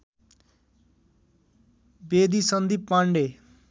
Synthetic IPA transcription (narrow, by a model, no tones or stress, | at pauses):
bed̪isʌnd̪ipːaɳɖe